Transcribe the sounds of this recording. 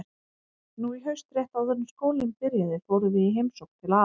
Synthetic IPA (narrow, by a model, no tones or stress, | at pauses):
nuiɦœɥst̪ɾjɛht̪awθɛnːʏmskoːwlɪmpɪɾjaðɪvɔwɾʏvɪiɦejmsowk̚t̪ʰɪlaː